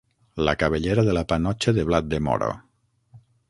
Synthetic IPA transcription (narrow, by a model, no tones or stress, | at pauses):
lakaβeʎeɾaðelapanɔt͡ʃeðeβlat̪̚d̪emɔ̰ɾo̰